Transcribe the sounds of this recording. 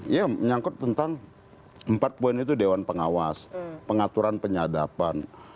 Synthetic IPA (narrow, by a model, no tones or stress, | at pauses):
jaməɲaŋkʊt̪ːənt̪aŋ | əmpat̪̚poɛnit̪udewanpəŋawaspəŋat̪uɾanpəɲadapan